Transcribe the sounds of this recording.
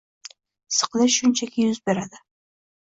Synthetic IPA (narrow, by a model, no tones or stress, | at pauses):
sɨ̥qlˠɪʃʊnt͡ʃʰakʲɪjʊzbe̞ɾad̪ɪ